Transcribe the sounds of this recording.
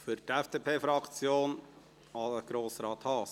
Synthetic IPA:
fʏɾtɛfd̥eːpʰeːfɾɑkt͡sjoːn | ɑləɡ̥ɾoːsɾɑːt̪hɑːs

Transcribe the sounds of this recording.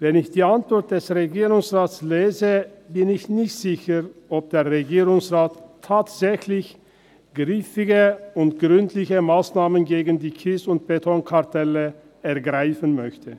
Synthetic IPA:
vɛnɪçd̥iːantv̥ɔɐt̚d̥ɛsʁeɡiːʁʊŋsʁaːtsleːzəbɪnɪçnɪçtz̥ɪçəʁʔɔp̚d̥eːɐʁeɡiːʁʊŋsʁaːtʰːaːtz̥ɛçlɪç | ɡ̥ʁifɪɡəʊntɡ̥ʁʏntlɪçəmaːsnaːmənɡeːɡən̩diːkʰɪsʊnt̚b̥etʰɔnkʰaɐtʰɛlə | ɛɐɡʁaɪfənmœçtʰə

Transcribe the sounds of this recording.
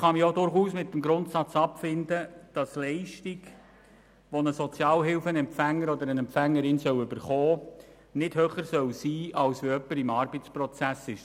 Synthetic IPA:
χɑmiodʊɾχuːsmɪtːəmɡɾʊntsɑt͡sɑpfɪndəd̥ɑslɛɪʃtɪɡ | ʋonəsɔt͡sjɑːlɦɪlfəənɛmfæŋːəɾɔd̪əɾənɛmpfæŋːəɾɪnsœwʏbəɾχɔː | nɪdhøːχəɾsœwsiːɑlsʋiœpːəɾɪmɑːɾbətspɾɔt͡sæsɪʃ

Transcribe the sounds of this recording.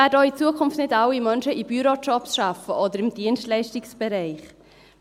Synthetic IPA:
ɛːdoit͡suːəkʰʊnftnɪtaʊimœnʃəʔibyɾot͡ʃɔpsʃafəʔɔd̪əɾɪmd̥iənstlɛɪʃtiksb̥ɛɾɛɪχ

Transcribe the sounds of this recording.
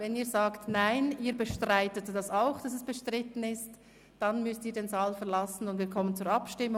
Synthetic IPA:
vɛniːzaːktnaɪniːɐbəʃtʁ̥aɪtətd̥asaʊxd̥ɑsɛsb̥əʃtʁ̥ɪtn̩ɪst | d̥anmʏstiːɐdeːnzaːlfɛɐlasn̩ʊndviːɐkʰɔmənt͡suːɾɑpʃtɪmʊ

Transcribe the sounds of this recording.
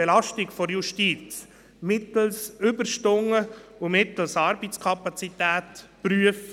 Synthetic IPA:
elɑʃtɪkfɔɾjuʃtiːt͡s | mɪt̪l̩sʏbəɾʃtʊŋəʊmɪt̪l̩sɑɾbət͡skʰɑpɑt͡sit̪æːt̪pɾyəf

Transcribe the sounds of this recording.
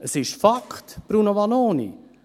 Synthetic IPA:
əsɪʃfakχtb̥ɾunovɑnoːnḭ

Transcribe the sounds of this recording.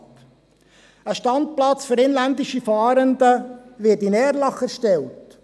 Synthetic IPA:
əʃtɑnt̪̚plɑt͡sføɾɪnlænd̪iʃifɑːɾənd̪əʋɪtinɛːɾlɑχɛɾʃtɛlt

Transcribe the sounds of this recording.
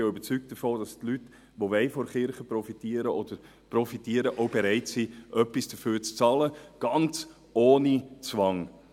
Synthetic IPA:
oʏbət͡syk̚t̚d̥əfoːd̥ɑstlyt | ʋoʋɛɪfɔɾχɪɾχəpɾɔfitiːəɾəʔɔd̥əɾ | prɔfitiəɾəʔoʊbɛɾæɪtsiʔœpːisd̥əføːt͡st͡sɑːləɡ̥ɑnt͡s | oːnit͡sʋɑŋ

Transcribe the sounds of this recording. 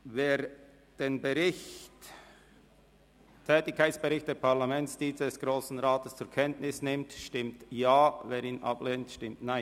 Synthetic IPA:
veːɾ | d̥eːnbɛɾɪçt | tʰɛːtɪçkʰːaɪtsb̥ɛɾɪçt̚d̥eɾpʰaʁlɑmɛnt͡stiːt͡səsɡ̥ɾoːsn̩ʁaːtəst͡sʊːɾkʰɛntnɪsnɪmtʃtɪmtjaːveːɾiːnʔɑ̰b̥leːntʃtɪmtnaɪn

